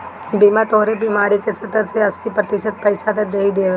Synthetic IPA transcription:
biːmat̪oːɦɾebiːmaːɾikesɐt̪əɾseɐsːipɾɐt̪ɪʃət̪̚pɐɪsat̪ɐd̪eːid̪eː

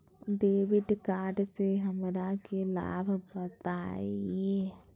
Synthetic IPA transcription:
ɖeːʋɪɖkaːɾɖseɦɐmɾakela̰ːbʱbɐt̪a̰ːieː

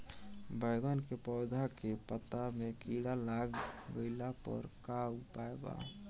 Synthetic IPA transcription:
bəɪɡənkepɔːd̪ʱakepət̪amekiɽalaɡɡəɪlapə̰ɾkapaeba̰

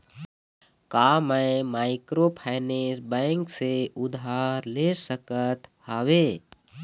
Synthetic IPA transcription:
kaːməmaːɪkɾopʰaɪnesbɛ̃ŋkseʊd̪ɦaːɾlesəkət̪haʋeː

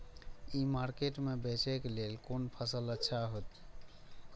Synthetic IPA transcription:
imaɾkeʈmebet͡ʃɛkelelkonpʰəsələtːʃʰaɦot̪ | k

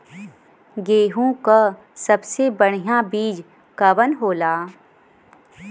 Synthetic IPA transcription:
ɡeːɦũka | sɐbsebəɽ̤̃ijabiːd͡ʒ | kɐʋənɦoːlaː

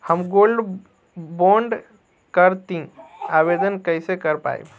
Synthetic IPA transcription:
həmɡolɖ | boɳɖ | kəɾt̪ĩabed̪ənkəɪsekəɾpa̰ḭb

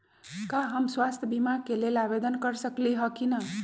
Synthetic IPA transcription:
kaɦəmswast̪ʰjəbʱimakelelabed̪ənkəɾsəkliɦəkinə

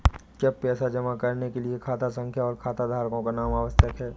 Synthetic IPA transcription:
kapɛːsad͡ʒɐmakɐɾnekeliekʰaːt̪as̬ə̃ŋkʰjaɔːɾkʰaːt̪ad̪ʱaːɾkõkanaːmaːʋəsjəkɦɛː

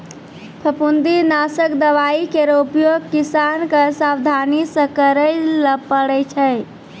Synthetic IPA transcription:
pʰəpund̪inasəkd̪əʋaikeɾoupjoɡkisankəsawd̪ʱanisə̃kəɾəɪləpəɽɛt͡ʃʰɛ

